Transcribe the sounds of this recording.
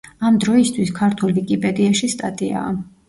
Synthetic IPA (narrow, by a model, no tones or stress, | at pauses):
amd̪ɾɔist̪ʰwiskʰaɾt̪ʰulvikʼipʼɛd̪iaʃist̪ʼat̪ʼia̰ː